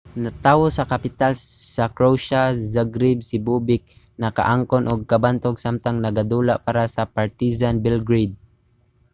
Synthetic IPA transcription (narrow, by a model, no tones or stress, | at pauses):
nat̪aːwosɐkapɪt̪alsakɹowʃazaɡɾibsɪbubɪk̚ | nɐka̰ʔaŋkonʔoɡ̚kabant̪oɡsamt̪aŋnɐɡad̪ulaʔpaɾasapaɹt̪izanbɛlɡɾid̪̚